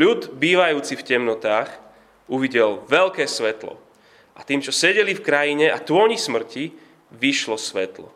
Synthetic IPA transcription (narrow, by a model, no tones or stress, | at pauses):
lud̪biːʋajuːt͡sifcɛmnɔt̪aːx | uʋiɟɛlʋɛlkɛːsʋɛt̪lɔ̰ | ʔat̪iːmt͡ʃɔsɛɟɛlifkɾajiɲɛat̪ʊɔɲismr̩ci | ʋiʃlɔsʋɛt̪lɔ̰